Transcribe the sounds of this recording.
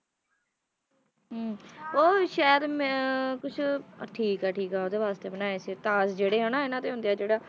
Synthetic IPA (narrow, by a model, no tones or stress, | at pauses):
ɦoːʃaːjəd̪mɛ̃kʊt͡ʃʰʈʰiːkaːʈʰiːkaːoːd̪eːʋaːst̪eːbənaːeːsit̪aːsd͡ʒeːɽeːɦənaːenãːt̪eːɦʊ̃nd̪ejaːd͡ʒeːɽaː